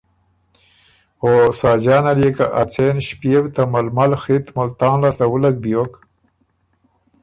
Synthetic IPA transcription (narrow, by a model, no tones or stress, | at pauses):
osaːd͡ʒaːnaɾjekaʔat͡senʃpewt̪amalmalxit̪mʊlt̪aːnlaslawulak̚bijok